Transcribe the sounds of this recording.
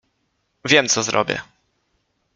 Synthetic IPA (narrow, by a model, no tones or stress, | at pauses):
vʲjɛmt̪sɔzɾʔɔ̰bʲjɛ̰